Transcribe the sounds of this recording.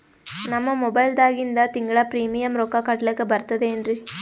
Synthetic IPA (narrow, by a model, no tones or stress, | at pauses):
nɐmːɐmɔbɐjɪld̪aːɣɪnd̪at̪ɪŋɡɯɭaːpɾiːmɪjɐmɾokːaːkaːʈːɪlɯkːɯbɐɾt̪ːɐðɯɛndrɯ